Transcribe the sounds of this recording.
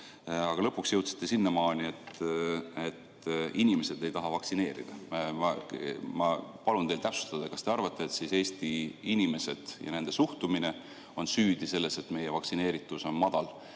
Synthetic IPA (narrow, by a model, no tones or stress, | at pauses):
ɑɡ̥ɑlɤ̞pːˑuksjɤ̞wt̪si̥t̪ːesinːemɑːnie̞t̪ | et̪ | inʲime̞se̞d̪e̞jt̪ɑɦɑvɑksine̞ːɾḭd̪̥ɑmɑmɑpɑlunt̪e̞jlt̪æpsu̥st̪ɑd̪̥ɑkɑst̪e̞ɑrvɑt̪ːˑeːt̪sise̞ːst̪iinʲime̞se̞d̪̥jɑ̰ne̞nd̪̥e̞suht̪umine̞ | o̞nsyːd̪ise̞lːe̞se̞t̪ːme̞jevɑksine̞ːɾit̪ːˑuso̞nmɑd̪̥ɑl